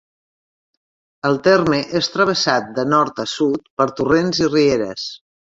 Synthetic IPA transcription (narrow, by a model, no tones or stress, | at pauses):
əlˠt̪erməʔest̪ɾəβ̞əsat̪̚d̪ənɔɾt̪əsut̪̚pəɾt̪urenzirieɾə̰s